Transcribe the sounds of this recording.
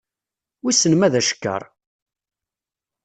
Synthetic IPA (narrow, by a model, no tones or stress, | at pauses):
wisənmæðæʃə̥kːə̰ɾˤ